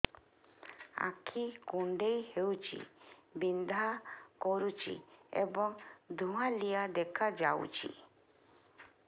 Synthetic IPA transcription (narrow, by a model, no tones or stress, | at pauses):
a̰kʰikuɳɖejhewt͡ʃḭbind̪ʱakɔɾut͡ʃḭebɔŋd̪ʱũwãlijad̪ɛkʰad͡ʒaw̰t͡ʃḭ